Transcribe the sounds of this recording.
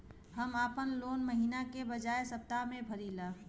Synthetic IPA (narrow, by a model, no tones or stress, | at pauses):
ɦəmaːpənloːnməɦiːnakebəd͡ʒaːesɐp̚t̪amẽbʱɐɾiːlaː